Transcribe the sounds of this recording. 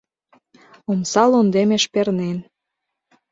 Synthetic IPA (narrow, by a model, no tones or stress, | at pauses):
omsɑlond̪emeʃpernen